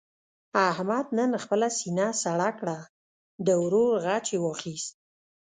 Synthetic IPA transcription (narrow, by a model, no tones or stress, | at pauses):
ahmad̪̚nənxpəlasinasaɽakɽa | d̪əwɾoɾɣat͡ʃewɑxist̪̚